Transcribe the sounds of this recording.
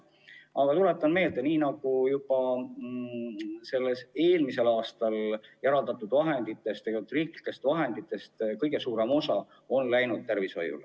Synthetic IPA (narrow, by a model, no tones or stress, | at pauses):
ɑɡ̥ɑt̪ulet̪ːˑɑnme̞ːld̪̥e̞niːnɑɡ̥ujub̥ɑ | se̞lːese̞ːlmise̞lɑːst̪ɑljæɾɑld̪ɑt̪ːˑud̪vɑɦe̞nd̪it̪ːˑe̞st̪ejot̪ːˑriːkli̥kːe̞st̪vɑɦe̞nd̪it̪ːˑe̞st̪kɤjɡ̥e̞suːɾe̞mo̞sɑ̰ | o̞nlæjnud̪̥̚t̪erviso̞̰jṵl